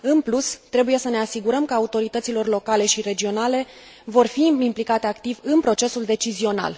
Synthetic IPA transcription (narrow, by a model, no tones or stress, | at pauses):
ɨnplust̪ɾe̞buje̞səne̞asiɡuɾəmkəaut̪o̞ɾit̪ət̪silo̞rlo̞kale̞ʃiɾe̞d͡ʒio̞nale̞ | vo̞rfiimplikat̪e̞akt̪ivɨnpɾo̞t͡ʃe̞suld̪e̞t͡ʃizio̞na̰l